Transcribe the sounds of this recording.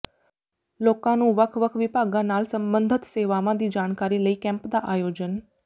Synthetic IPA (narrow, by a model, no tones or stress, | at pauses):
loːkãnũːʋəkʰʋəkʰʋɪbʱaːɡãnaːlsə̃mbənd̪ʱət̪seːʋamãd̪ʱiːd͡ʒaːɽ̃kaɾiləiːkɛ̃mpd̪aʔaːjoːd͡ʒən